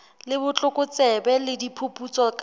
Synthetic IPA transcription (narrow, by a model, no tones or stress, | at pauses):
lɪbʊt͡ɬʼʊkʼʊt͡sɛbɛlɪdipʰʊpʼut͡sɔkʼ